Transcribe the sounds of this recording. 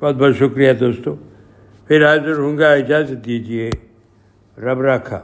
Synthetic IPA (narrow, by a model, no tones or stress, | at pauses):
bɔːt̪̚bɔːɾʃʊkɾijad̪oːst̪õː | pʰɪɾɦaːzəɾɦõːŋɡaɪd͡ʒaːzət̪̚d̪id͡ʒie | ɾɐbɾaːkʰa̰ː